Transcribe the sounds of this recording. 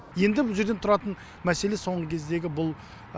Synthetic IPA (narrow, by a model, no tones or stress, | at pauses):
je̞nd̪ɪbʊlˠʒe̞ɾd̪ent̪ʰʊɾɑt̪ən | mæse̞le̞so̞ɴʁəkʲʰe̞zd̪e̞ɡʲɪbʊlˠ